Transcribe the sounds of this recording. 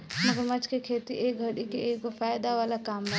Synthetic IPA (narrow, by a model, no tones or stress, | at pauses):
nəɡəɾmət͡ʃkekʰet̪iʔeɡʱəɽikeeɡopʰajd̪aʋalakame